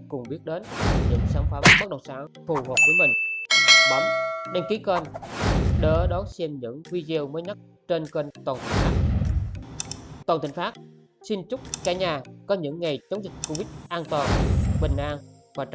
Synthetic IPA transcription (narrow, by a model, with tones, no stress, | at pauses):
kʊ˨˩ŋ͡mɓi˦˥ət̚ɗe˨˦ni˨˧˩ɲɨ̰˧˥ŋsaː˨˦ŋfaː˨˦mɓə˦˥ɗə˨˩wŋ͡msaː˨˦ŋfu˨˩həː˨˩p̚viː˧˦jmï˨˩ŋ̟la˨˩mɗe˧nki˨˦kə˧n˨ | ɗəː˨˦ɗɔ˨˦sɛ˧mɲɨ̰˧˥ŋvi˧zi˧əwməː˨˦jɲa˦˥t̚ | t͡ɕe˧nkə˧nt̪a˨˩n̚˧˩˦ | t̪waː˨˩nt̪ʰŋ̟faː˦˥t̚ | si˧nt͡ɕʊ˦˥k͡p̚kaː˧˩ɲaː˧˩kɔ˨˦ɲɨ̰˧˥ŋːa˨˩jt͡ɕə˨˦wŋ͡mzï˨˩k̟̚ko˧vi˦˥t̚ʔaː˧nt̪waː˨˩nɓï˨˩ŋ̟ʔaː˧ŋ | vaː˨˩t͡ɕ